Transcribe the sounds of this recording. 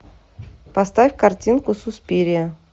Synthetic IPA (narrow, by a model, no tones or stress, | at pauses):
pɐst̪afʲkartʲinkʊsʊspʲiɾʲɪə